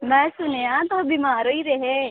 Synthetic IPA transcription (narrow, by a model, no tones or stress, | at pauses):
mɛ̃ːsʊneãt̪oːbimaːɾoːiɾeɦeː